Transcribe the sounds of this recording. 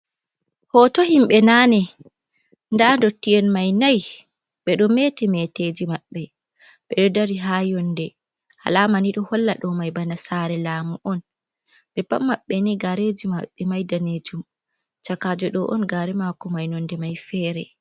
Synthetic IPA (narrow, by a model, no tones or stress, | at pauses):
hɔtoɦimɓɛnanɛ | ndandotːijɛnmajnaj | ɓɛɗɔmetɛmɛted͡ʒimaɓːɛ | ɓɛɗɔdaɾiɦajɔndɛ | ha̰lamaniɗɔhɔlːaɗɔmajbanasaɾɛlaːmuʔɔn | ɓɛpamːaɓːɛniɡaɾed͡ʒimaɓːɛmajdaned͡ʒum | t͡ʃakad͡ʒɔɗɔʔɔnɡaɾɛmakɔmajnɔndɛmajfɛɾɛ